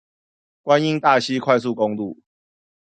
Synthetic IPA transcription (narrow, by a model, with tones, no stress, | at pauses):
kwa˦ni˦˥ŋt̪a˥˨ɕi˦kʰwa˥˧ɪs̬u˥˨kɔ˦ŋlu˥˨